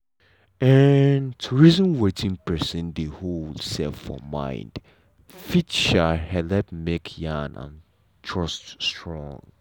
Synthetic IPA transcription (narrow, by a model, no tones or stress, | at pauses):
ɛntʰuɹizə̃nwetĩŋpɛsə̃ndeholsɛfɔ̰mã̰ɪ̃nd̥ | fitʃahɛlɛpmekʰjãnʔã̰n | tʰɹ̥ɔststɹɔ̰̃ŋ